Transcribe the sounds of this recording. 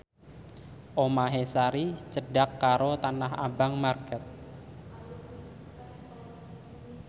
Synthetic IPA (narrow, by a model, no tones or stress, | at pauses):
ʔomaɦesaɾit͡ʃəɖakːaɾot̪anaɦa̰baŋmarkɛt̪̚